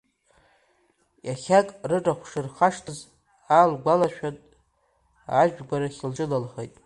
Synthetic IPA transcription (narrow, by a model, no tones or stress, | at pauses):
jaχʲakʼrɨʈ͡ʂʼaχʷʂɨrχaʂtʰɨz | alɡʷalaʃᶣatʼ | aʒᶣɡʷaɾaχʲɪld͡ʒʼɨlalχejtʼ